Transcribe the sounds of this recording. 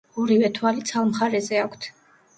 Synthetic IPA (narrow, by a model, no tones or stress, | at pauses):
ɔɾivɛt̪ʰwalit̪sʰalˠmχaɾɛzɛakʷʰt̪ʰ